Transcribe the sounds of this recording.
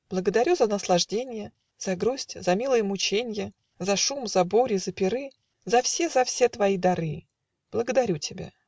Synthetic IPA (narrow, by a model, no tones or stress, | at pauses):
b̥lˠəɡəd̪ɐɾʲuzənəslˠɐʐdʲenʲɪjə | zɐɡɾusʲtʲzɐmʲilˠəjəmʊt͡ɕenʲɪjə | zɐʂumzɐboɾʲɪzəpʲɪɾɨ | zɐfsʲezɐfsʲet̪vɐid̪ɐɾɨ | b̥lˠəɡəd̪ɐɾʲutʲɪbʲa̰